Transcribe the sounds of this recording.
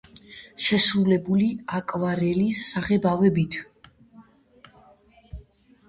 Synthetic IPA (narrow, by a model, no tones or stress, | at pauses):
ʃɛsɾulɛbuliakʼvaɾɛlisːaʁɛbavɛbit̪ʰ